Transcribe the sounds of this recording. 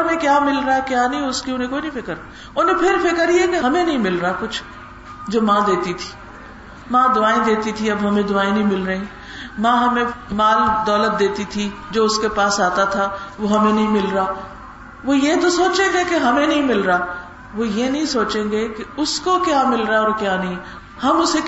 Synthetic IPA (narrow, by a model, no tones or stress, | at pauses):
ʊnẽkjaːmɪlɾakjaːnɐɦĩʊskiʊnɦẽkoːinɐɦĩpɪkəɾ | ʊnɦẽpʰɪɾfɪkəɾiekeɦɐmẽnɐɦĩmɪlɾakʊt͡ʃʰ | d͡ʒoːmãːd̪eːt̪it̪ʰi̥ː | mãːd̪ʊaːẽd̪eːt̪it̪ʰiɐbɦɐmẽd̪ʊaːẽnɐɦĩmɪlɾɐɦĩ | mãːɦɐmẽmaːld̪ɔːlət̪̚d̪eːt̪it̪ʰid͡ʒoːʊskepaːsaːt̪at̪ʰaʋoɦɐmẽnɐɦĩmɪlɾaː | ʋojet̪osoːt͡ʃẽːŋɡekeɦɐmẽnɐɦĩmɪlɾaː | ʋoːjenɐɦĩsoːt͡ʃẽːɡekeʊskokjaːmɪlɾaɔːɾkjaːnɐɦĩ | hɐmʊse